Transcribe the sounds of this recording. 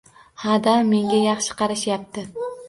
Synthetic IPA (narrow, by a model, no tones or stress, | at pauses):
had̪amme̞ŋɡʲajɑχʃɪ̥qʰɑɾaʃjap̚t̪ʰɪ